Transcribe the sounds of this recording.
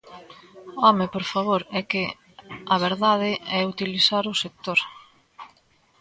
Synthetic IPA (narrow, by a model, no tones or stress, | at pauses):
ɔmepoɾfaβ̞oɾɛkɪ | ɐβ̞eɾðað̞ɪɛut̪ilisaɾʊsek̚t̪oɾ